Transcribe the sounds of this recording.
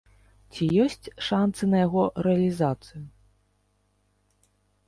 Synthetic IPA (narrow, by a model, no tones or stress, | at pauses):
t͡sʲijɔsʲt͡sʲʂant̪sɨnɐjaɣɔɾɛɐlʲizat̪sɨju